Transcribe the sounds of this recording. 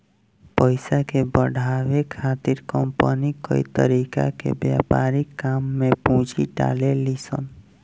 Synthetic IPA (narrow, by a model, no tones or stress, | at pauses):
pəjsakebəɽʱawekʰat̪iɾkəmpənikə̰it̪ə̰ɾika̰kḛbjapaɾikːamːepũd͡ʒḭɖa̰lelisə̰n